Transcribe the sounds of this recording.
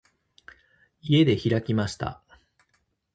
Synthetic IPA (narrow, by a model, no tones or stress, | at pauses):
ie̞d̪e̞çiɾakʲimaɕi̥t̪a̰